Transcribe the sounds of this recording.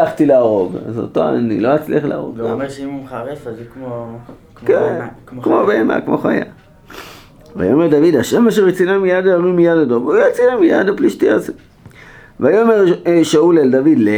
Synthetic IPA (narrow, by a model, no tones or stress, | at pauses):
aχt̪ilaaːʁo̞ɡa̰zo̰toa̰nḭloat͡slḭaχlaa̰ʁo̞̰ɡameʃeimumχaʁefazkmo | kenkmobeema̰kmo̰χa̰ja̰ | va̰jomeʁd̪avidaʃemaʃ̬eʁit͡sinamijadaaʁimijadadovujat͡siamija̰dapliʃtiaze | vajomeʁʃauleldavidle